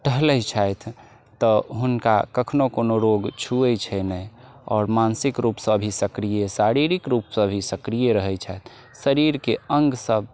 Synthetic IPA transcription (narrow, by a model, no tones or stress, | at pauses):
ʈəɦləjt͡ʃʰajt̪ʰ | t̪ːɔɦunka̰kəkʰnokonoɾoɡt͡ʃʰuɛt͡ʃʰɛnɛj | ɔ̰ːɾmansikɾupsə̃bʱisəkɾijesaɾiɾikɾupsə̃bʱisəkɾijeɾəɦɛjt͡ʃʰajt̪ʰ | səɾiɾkeəŋɡsəb̚